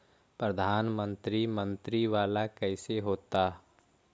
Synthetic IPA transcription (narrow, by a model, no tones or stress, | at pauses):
pɾəd̪ʱaːnmə̃nt̪ɾimə̃nt̪ɾiʋaːlakɛɪseɦoːt̪aː